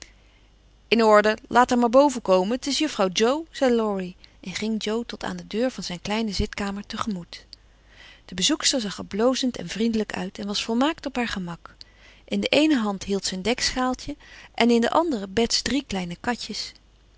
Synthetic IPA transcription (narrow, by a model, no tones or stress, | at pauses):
ɪnɔɹdəlʔaːtɛɹmaːɹbowvəkowməntɪsjəfrɑwd͡ʒowz̥ɛjlɔɹiʔɛnχɪŋd͡ʒowtɔtʰa̰ːndədøːɹvɑnzɛjnklɛjnəzɪtkaːməɹtəχəmut | d̥əbəzukstəɹzɑχəblowzəntɛ̰nvrindələkœ̰ɥtɛnʋɑsfɔlˠmaːktɔpɦaːɹχəmɑk | ʔɪndəʔejnəɦɑntɦilˠtsəəndɛksχaːlˠcəʔɛnɪndə̰ʔɑndərəbɛtsdriklɛjnəkɑcəs